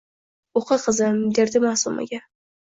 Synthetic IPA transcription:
oqɨqʰɨzɪmd̪eɾd̪ɪmaːsuma̰ɡʲa

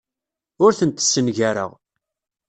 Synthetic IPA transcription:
ʊɾθənt̪ə̥sːənʝaɾə̰ʁ

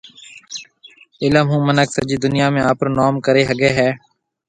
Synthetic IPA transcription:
ɪləmɦũːmənəksəd͡ʒiːd̪ʊnɪjaːmẽːaːpɾoːnɔːmkəɾeːɦəɡeːɦɛː

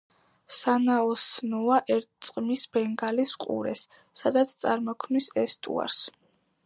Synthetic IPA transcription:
sanaɔsnɔaʔɛɾt̪̚t̪sʼqʼmisbɛŋɡalisqʼṵɾɛ̰sː | ad̪at̪sʰt̪sʼaɾmɔkʰmnisɛst̪ʼṵa̰ɾs

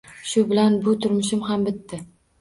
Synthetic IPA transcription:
ʃʊbɪlanbʊt̪ʰʊɾmʊʃɪmɦambɪt̪ːɪ

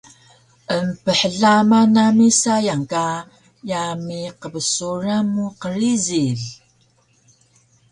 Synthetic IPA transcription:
ʔəmpəħəɮamanamisajaŋka | jamiqəβəsuɾamːuqəɾiziɮ

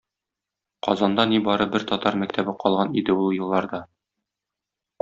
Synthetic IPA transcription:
qɒzɑnd̪ɑnibɒɾɤbɘɾt̪ɒt̪ɑɾmæk̚t̪æbɘqɒlˠʁɑnid̪ɘulˠjɤ̆lˠːɑɾd̪ɑ

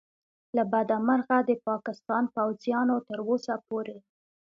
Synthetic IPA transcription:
labad̪amaɾɣad̪əpɑkɪst̪ɑnpawzjɑnot̪əɾosapoɾe

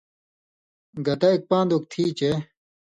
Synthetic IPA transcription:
ɡɐt̪ɐik̚pãːnd̪uk̚t̪ʰiːt͡ɕe

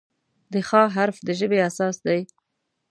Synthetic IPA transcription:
d̪əxɑɦaɾfd̪əʒəbeasɑsd̪aj

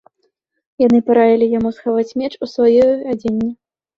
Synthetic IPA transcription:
janɨpaɾajʲilʲijamusxavat͡sʲmʲɛt͡ʂusvajɔad͡zʲenʲːi

